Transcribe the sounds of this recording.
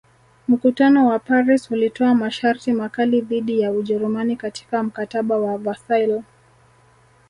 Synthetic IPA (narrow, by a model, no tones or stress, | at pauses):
m̩kutanɔwapaɾishulitɔamaʃaɾtimakaliðiɗijauʄɛɾumanikati̥kam̩kataɓawavasajlɔ